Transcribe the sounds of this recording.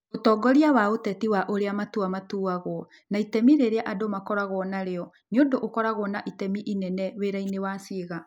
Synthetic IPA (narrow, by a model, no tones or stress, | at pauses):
otɔːɡɔɾiawaotɛtiwaʔoɾeamatuamatuaɣwɔ | naitɛmiɾeɾeaʔadomakɔɾaɣɔnaɾeɔ | neondoʔokɔɾaɣɔnaʔitɛmiʔinɛnɛweɾainewasiːɣa